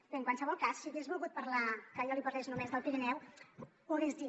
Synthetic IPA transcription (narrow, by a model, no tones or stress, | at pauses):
kəŋkwansəβ̞ɔlˠkasːiəɣezβulˠɣut̪̚pəɾlakəʎɔlipərleʃnumezðəlˠpiɾinɛwpuɣezði